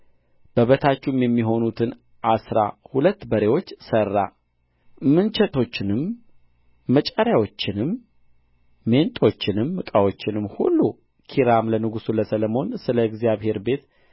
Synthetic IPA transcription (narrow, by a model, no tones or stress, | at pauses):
b̥əβət̪ʰat͡ʃːumjɛmːiɦo̞nut̪ʰɨn | ʔasɾa̰hulət̪ːbəɾe̞wo̞t͡ʃːsərːa̰ | mɨnt͡ʃɛt̪ʰo̞t͡ʃːɪnɨmː | ət͡ʃʼəɾjawo̞t͡ʃːɪnɨm | e̞nt̪ʼo̞t͡ʃːɪnɨmːɨkʼawo̞t͡ʃːɪnɨmːhṵlːu | kʰiɾamlənɨɡusuləsələmo̞nsɨləɨɡzijaβhe̞ɾbe̞t̪